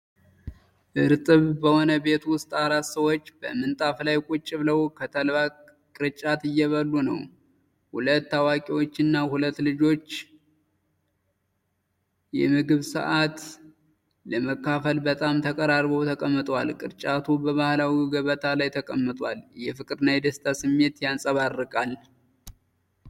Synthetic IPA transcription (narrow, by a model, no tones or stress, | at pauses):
ʔɨɾt̪ʼɨβbəho̞nəbe̞t̪wʊst̪ʼaɾat̪səwo̞t͡ʃːbə̰mɨnt̪ʼaflajkʼʊt͡ʃʼːɪβləwkʰət̪ʰəlβa | kʼɨɾɨt͡ʃʼat̪ɨjːɛβəlːunə̰w | hulət̪ːawakʼiwot͡ʃːɨnːahulət̪ːlɨd͡ʒo̞t͡ʃː | jɛ̰mɨɡɨβsɨ̰ʔat̪ | ləməkːafəlbət̪ʼamt̪ʰəkʼəɾaɾβəwt̪ʰəkʼəmːɨt̪ʼwalkʼɨɾt͡ʃʼat̪ʰubəβahlawiɡəβət̪ʰalajt̪ʰəkʼəmːɨt̪ʼwaljɛfɨkʼɨɾɨnajd̪əst̪ʰasɨmːe̞t̪jansʼəβarːɨkʼal